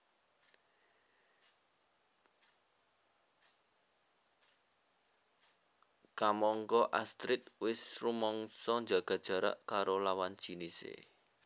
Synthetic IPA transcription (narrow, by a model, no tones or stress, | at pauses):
kamɔŋkɔʔast̪ɾɪt̪̚wɪsrumɔŋsɔnd͡ʒa̤ɡ̥a̤d̥ʒ̥ä̤ɾa̰ʔkaɾolawand̥ʒ̥i̤nisḛ